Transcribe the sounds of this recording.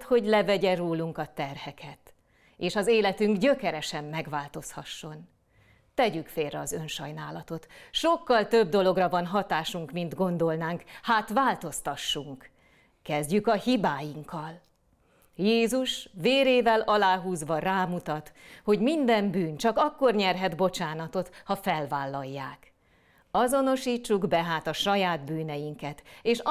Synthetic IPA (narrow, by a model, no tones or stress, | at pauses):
t̪ho̞ɟlɛvɛɟɛroːluŋkɒt̪ɛrhɛkʰɛt̪ | eːʃɒzeːlɛt̪yŋɡɟøkɛɾɛʃɛmːɛɡʋaːlt̪o̞shɒʃːo̞n | t̪ɛɟykfeːlrɛɒzønʃɒjnaːlɒt̪o̞t̪ʃo̞kːɒlt̪ø̞b̚d̪o̞lo̞ɡrɒvɒnɦɒt̪aːʃuŋkmind̪ɡo̞nd̪o̞lnaːŋkhaːt̪ʋaːlt̪o̞st̪ɒʃːuŋk | kɛzɟykɒhibaːjiŋkːɒl | jeːzuʃʋeːɾeːvɛlɒlaːɦuːzʋɒraːmut̪ɒt̪ho̞ɟmind̪ɛmbyːnt͡ʃɒkɒkːorɲɛrɦɛd̪bo̞t͡ʃaːnɒt̪o̞t̪hɒfɛlvaːlːɒjːaːk | ɒzo̞no̞ʃiːt͡ʃːuɡbɛɦaːt̪ɒʃɒjaːd̪byːnɛjiŋkɛt̪eːʃ